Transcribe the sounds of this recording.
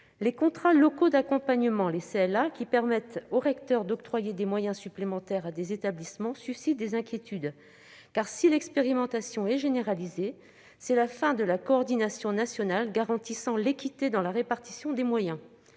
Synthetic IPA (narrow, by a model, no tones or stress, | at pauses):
lekɔ̃t̪χalɔkod̪akɔ̃paɲəmɑ̃leseɛlakʲipɛʁmɛt̪oʁɛkt̪œʁd̪ɔkt̪χwajed̪emwajɛ̃syplemɑ̃t̪ɛʁad̪ezet̪ablismɑ̃sysit̪̚d̪ezɛ̃kʲjet̪yd̪ | kaʁsilɛkspeʁimɑ̃t̪asjɔ̃ɛʒeneʁalize | sɛlafɛ̃d̪əlakɔːʁd̪inasjɔ̃nasjɔnalɡaʁɑ̃t̪isɑ̃lekʲit̪ed̪ɑ̃laʁepaʁt̪i̥sjɔ̃d̪emwajɛ̃